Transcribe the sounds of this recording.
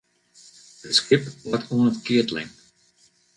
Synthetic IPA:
ətskɪpwɔtʰuənətkɪətlɪ̰ŋ

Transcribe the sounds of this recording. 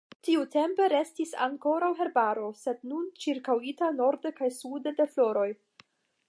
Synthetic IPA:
tiute̞mpe̞ɾe̞stisa̰ŋko̞ɾawɦe̞ɾbaɾo̞se̞dnunt͡ʃiɾkawitano̞ɾdekajsude̞de̞flo̞ɾo̞j

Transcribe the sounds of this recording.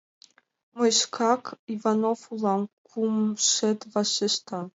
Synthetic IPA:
mɔjʃkʰakivanofulˠamkʰumʃɛt̪vaʃɘʃt̪a

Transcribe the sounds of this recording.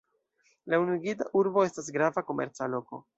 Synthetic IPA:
launiɡitaʔuɾbo̞e̞stas̬ɡɾavako̞mḛɾt͡salo̞ko̞̰

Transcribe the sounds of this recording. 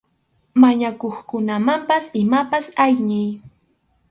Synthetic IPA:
maɲakoχkʊnamampasɪmapasajɲɪj

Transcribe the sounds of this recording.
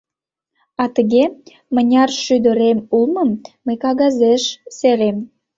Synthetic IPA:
ɑt̪əɣe | mənʲɑrʃyd̪ə̆ɾemulməmː | əjkɑɣɑzeʃseɾem

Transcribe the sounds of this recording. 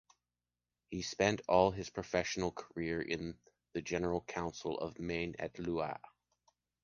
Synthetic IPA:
hispɛ̃ntʰɔlˠɨz̥pʰɹ̥ɨfɛʃn̩l̩ˠkʰə˞ɪɹʔɪ̰̃n | ðɨd͡ʒɛnə˞l̩ˠkʰãʊ̃nsl̩ˠʌ̰vmẽɪ̃nɨ̰tˡluə̰

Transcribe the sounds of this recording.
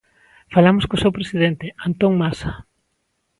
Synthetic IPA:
falamoskosewpɾesiðent̪eant̪oŋmasa

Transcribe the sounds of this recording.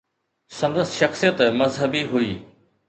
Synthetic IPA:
sɐ̃nd̪əsʃɐxsijət̪mɐzɦəbiɦuiː

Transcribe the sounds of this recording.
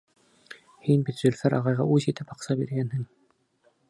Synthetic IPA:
hinbit̪ʒɵ̆lʲfæɾʔɑʁɑjʁɑ̰ʉzit̪ɘpɑqsɑbiɾɡænhɘŋ

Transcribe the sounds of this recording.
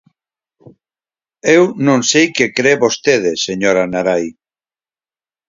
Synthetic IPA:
ewnõŋsejkekɾeβost̪eð̞eseɲoɾanaɾaj

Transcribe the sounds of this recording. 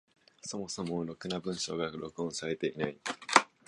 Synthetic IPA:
so̞mo̞so̞mo̞ɾo̞kɯ̟nabɯ̟̃ɰ̃ɕo̞̰ːɡaɾo̞kɯ̟õɰ̃saɾe̞t̪e̞ʔinai

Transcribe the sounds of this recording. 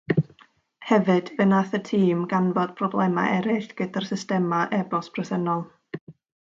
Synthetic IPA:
hɛvɨd̥vɨnaθətʰiːmɡanvɔd̥̚pʰrɔblˠɛma̰ʔɛɾɪɬɡ̥ədar̥sɪstɛmaʔɛbɔspʰrɛsənɔlˠ

